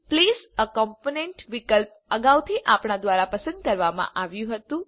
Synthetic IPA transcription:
plizəkɔmponeɳʈʋikəlp̚ | əɡawt̪ʰiʔapɳad̪ʋaɾapəsə̃nd̪̚kəɾʋamã̰ʔaʋjũɦət̪ũ

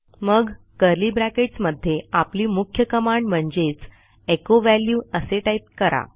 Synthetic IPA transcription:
məɡ | kəɾliːbɾækeʈsməd̪ʱːjeapliːmukʰjəkəmaɳɖm̤əɳd͡zet͡s | ekoʋæljuəseʈajt̪̚kəɾa̰

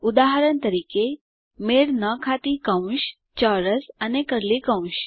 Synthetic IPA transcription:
ʊd̪aɦəɾənt̪əɾiːke | meɽnəkʰat̪ikɐ̃ũʃ | t͡ɕaːɾəsɐnekəɾlikə̃w̃ʃ

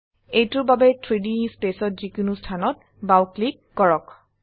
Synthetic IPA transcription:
ejtʊɹbabɛtʰɹidispesɔt̚zikunustʰanɔt̚ | bawklikːɔɹɔk

